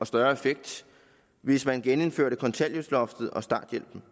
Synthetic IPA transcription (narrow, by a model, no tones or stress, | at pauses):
ɒ̽sd̥ɶɐefeɡ̥̚d̥ | ʋe̝smænɡ̥enenføɐ̰ɾəkʰɒ̽nt͡sʰæl̰joslɒ̽fd̥ð̩ˠɒ̽sd̥ɑ̈ːd̥jel̰b̥n̩